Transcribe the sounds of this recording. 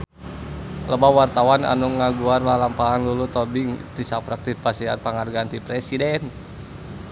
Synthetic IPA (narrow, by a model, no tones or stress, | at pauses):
ləbawart̪awana̰nuŋaɡuarlalampaɦanlulut̪ɔbɪŋt̪isapɾak̚t̪it̪̚pasia̰npaŋarɡaant̪ipɾɛsidɛn